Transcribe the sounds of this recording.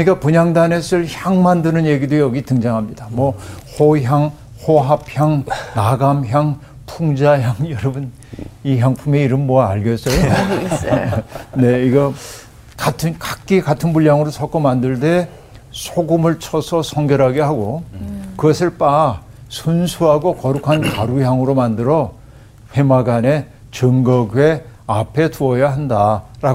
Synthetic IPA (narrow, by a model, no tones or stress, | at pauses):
kɯnɲik͈apuɲaŋdanesʰɯɭçjaŋmandɯnɯnje̞ɡidojʌɡitɯŋd͡ʑaŋɦamɲidamwʌhoçjaŋ | hoɦap̚çjaŋnaɡamçjaŋ | pʰuŋd͡ʑaçjaŋjʌɾʌbun | içjaŋpʰumeiɾɯmːʌaɭɡjʌs͈ʌjo | ne̞iɡʌ | katʰɯnkak͈ikatʰɯnbuʎjaŋɯɾosʰʌk͈ʰomandɯɭde̞ | sʰoɡumɯɭt͡ɕʰʌsʰʌsʰʌŋɡjʌɾɦaɡeɦaɡokɯɡʌsʰɯɭp͈a | sʰunsʰuɦaɡokʌɾukʰankaɾujaŋɯɾomandɯɾʌ | ɸwe̞maɡane̞ | t͡ɕɯŋɡʌɡɥwe̞apʰe̞tuʌjaɦandaɾa